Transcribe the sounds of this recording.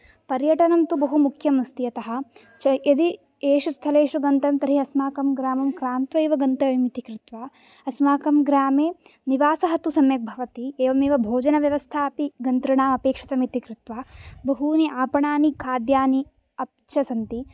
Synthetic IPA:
pɐɾjɐʈɐnɐmt̪ubɐɦumukʰjɐmst̪iɐt̪ɐɦɐ̆ | t͡ʃɐɐd̪i | eːʃust̪ʰɐleːʃɾuɡɐnt̪ɐmt̪ɐɾiɐsmaːkɐmɡɾaːmɐmkɾaːnt̪ʋɐːʋɐɡɐnt̪ɐʋimit̪ikɾɪt̪ʋaː | ɐsmaːkɐmɡɾaːmeːniʋaːsɐɦɐt̪usɐmjɐk̚bʱɐʋɐt̪ieːʋɐmeːʋɐbʱoːd͡ʒɐnɐʋjɐʋɐst̪ʰaːpiɡɐnt̪ɾɐɳaːmɐpeːkʂɐ̥t̪ɐmit̪ikɾɪt̪ʋaːbɐɦuniʔaːpɐɳaːnikʰaːd̪jaːni | ɐp̚ | t͡ʃɐsɐnt̪i

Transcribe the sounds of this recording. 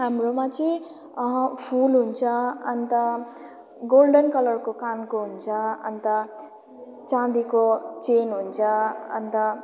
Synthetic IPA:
ɦamromat͡sʌ | ɦpʰulɦunt͡sʰʌʌnt̪ʌ | ɡolɖʌnkʌlʌrkokankoɦunt͡sʰʌʌ̰nt̪ʌ | t͡sãd̪ikot͡senɦunt͡sʰʌʌ̰nt̪ʌ

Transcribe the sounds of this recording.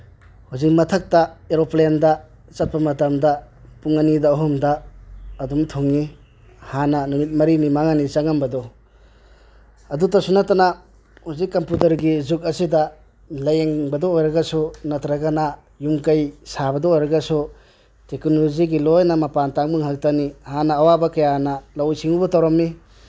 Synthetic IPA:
huzik̚mɐtʰɐk̚tɐeɾoplendɐ | t͡ʃɐt̚pɐmɐtɐmdɐ | puŋɐnidɐoɦumdɐː | dumtʰuŋi | hanɐnumit̚mɐɾinimaŋanit͡ʃaŋɐmbɐdɔ | ɐdutɐsunɐtɐnɐ | huzikːɐmputɐɾɡizuk̚ɐsidɐ | lɐjeŋbɐdɔːjɾɐɡɐsunɐtɾɐɡana | jumkɐjsabɐdɔːjɾɐɡɐsu | teknoziɡilojnɐmɐpantaŋmɯŋhak̚tɐnihanɐːwabɐkɐjanɐlɐwjsiŋubɐtawɾɐmːi

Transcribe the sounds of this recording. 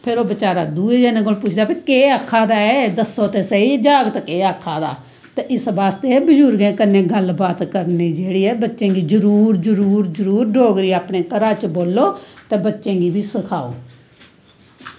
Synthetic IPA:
pʰɪɾoːbɪt͡ʃaːɾaːd̪uːeːd͡ʒɛːnẽːkoːlpʊt͡ʃʰd̪aːpʰeːkeːəkʰːaːd̪aːɛːd̪əsːoːt̪eːsəiːd͡ʒaːɡt̪ːkeːakʰːaːd̪a̰ː | t̪eːʔɪsbaːst̪eːbəd͡ʒuːɾɡẽːkənːẽːɡəlbaːt̪kəɾniːd͡ʒeːɽiːɛːbətːʃẽːɡiːd͡ʒəɾuːɾd͡ʒəɾuːɾzəɾuːɾɖʱoːɡɾiːaːpnẽːkəɾaːt͡ʃboːlːoːt̪eːbətːʃẽːɡiːbʱiːsəkʰaːo̰ː

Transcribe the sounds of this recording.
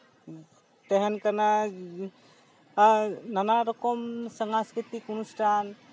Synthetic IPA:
t̪eɦɛnkəna | nanaɾokomsəŋãskɾit̪ikunusʈʰan

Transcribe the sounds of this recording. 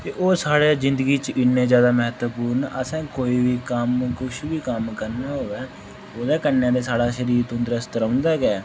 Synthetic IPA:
t̪eːʔoːsaːɽeːzɪ̃nd̪əɡiːt͡ʃɪnːẽːzjaːd̪aːmɛɦt̪puːɾnəsɛ̃ːkoːiːʋiːkəmkʊʃʋiːkəmkəɾnaːɦoːʋɛː | oːd̪aːkənːjãːd̪eːsaːɽaːʃəɾiːɾt̪õnd̪ɾəst̪ɾə̃ʊ̃nd̪aːɡɛː

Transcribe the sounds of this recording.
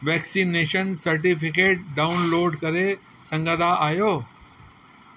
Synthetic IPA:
ʋɛːksineːʃənsɐɾʈ̬ifɪkeːʈ̚ɖaːʊnloːɖkɐɾe | sɐ̃ŋɡəd̪aʔaːjoː

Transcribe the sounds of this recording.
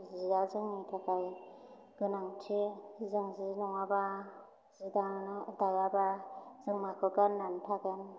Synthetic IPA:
ziazɯŋnitʰakaj | ɡ̥ɯnaŋtʰiizɯŋzinɔŋaba | zidanɯdajabazɯŋmakʰɯɡɯnːantʰaɡɯn

